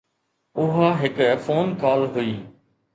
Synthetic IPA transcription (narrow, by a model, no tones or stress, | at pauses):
ʊɦaɦɪkfoːnkaːlɦʊiː